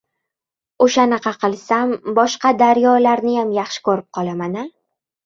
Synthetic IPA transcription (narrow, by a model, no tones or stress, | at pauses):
oʃanɨqʰɑqʰɨlˠsambɒʃqɑd̪aɾjɒlaɾnɪjamjɑχʃɪ̥kʰɵɾɪp̚qʰɒlˠamanɪ